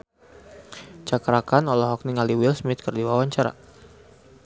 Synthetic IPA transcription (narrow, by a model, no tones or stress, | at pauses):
t͡ʃakɾakanɔlɔɦɔk̚niŋaliwilsmɪt̪̚kərdiwawaɲt͡ʃaɾa̰